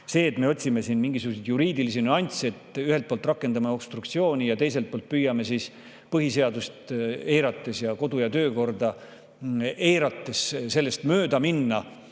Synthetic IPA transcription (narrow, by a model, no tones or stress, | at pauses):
se̞ːt̪me̞o̞t̪ʲsime̞siːnmiŋɡisuɡused̪juɾiːd̪ilisinyɑnʲt̪siet̪yɦelt̪̚poːlt̪ːˑrɑkːˑe̞nd̪ɑmeo̞b̥st̪ɾuk̚t̪sio̞ːnʲijɑt̪e̞jse̞lt̪̚polt̪̚pyjːɑme̞siːs | pɤɦise̞ɑd̪ust̪e̞jɾɑt̪ːˑe̞sjɑko̞d̪̥ujɑt̪øːko̞rd̪̥ɑ | e̞jɾɑt̪ːˑe̞sselːe̞st̪møːd̪ɑminːɑ